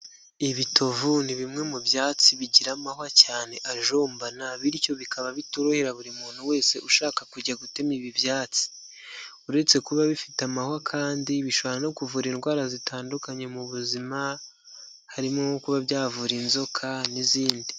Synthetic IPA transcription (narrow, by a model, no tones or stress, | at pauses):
iβitʰo̞vuniβimŋe̞mubjaːt͡siβiɟiɾamaɦwacaːne̞ʔaʒo̞ːmbanaβiɾico̞βikʰaβaβituɾoheɾaβuɾimuːn̥uwe̞ːse̞ʔuʃaːkakuɟaɡute̞miβiβjaːt͡si̥ | uɾe̞t͡se̞kuβaβifitamahwakʰaːndiβiʃoβaɾano̞kuvuɾiːnɡwaːɾazitaːndukaɲe̞muβuzima | haɾimoŋokuβaβjaːvuɾinzo̞kʰaniziːndi